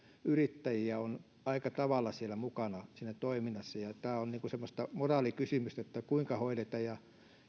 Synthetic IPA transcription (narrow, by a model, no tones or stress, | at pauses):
yrit̪ːæjiæon | ɑikɑt̪ɑʋɑlːˑɑsielæmukɑnɑsinːæt̪oiminːˑɑsːɑjɑt̪æːonniːŋkusemːost̪ɑmorɑːlikysymyst̪æet̪ːækuiŋkɑhoilet̪ɑjjɑ